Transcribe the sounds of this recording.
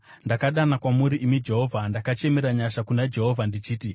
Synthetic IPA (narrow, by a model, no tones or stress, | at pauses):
ndakaɗanakwamuɾiʔimid͡ʒe̞ɦo̞ːvʱandakat͡ʃe̞me̞ɾaɲaʃakunad͡ʒe̞ɦo̞vʱandit͡ʃiːti